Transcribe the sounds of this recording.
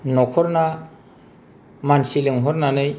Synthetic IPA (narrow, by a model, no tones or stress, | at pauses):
nɔkʰɔɾna | mansiliŋɦɔɾnanɯj